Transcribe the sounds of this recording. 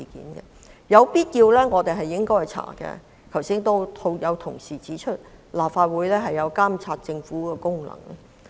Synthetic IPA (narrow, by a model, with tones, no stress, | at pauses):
i˨kḭː˨˥nkɛ̰˧ | jɐ˨˧wpiː˥t̚kiː˧wlɛː˥ŋɔː˨˧t̪e˨jɦɐ˨jɪ˥ŋkɔː˥ɐ˨˩jt͡sʰa̰ː˨˩kɛ̰˧ | kʰɐ˨˩wsi˥ŋt̪o˥wt̪ʰo˥wjɐ˨˧wt̪ʰʊ˨˩ŋsiː˨˩t͡siː˨˥t͡ʃʰɵ˥t̚laː˨pfaː˧t̚wuː˨˥jlɛː˥ɦɐ˨jːɐ˨˧wkaː˥mt͡sʰaː˧t̚t͡sɪ˧ŋfu˨˥kɛː˧kʊ˥ŋlɐ̰˨˩ŋ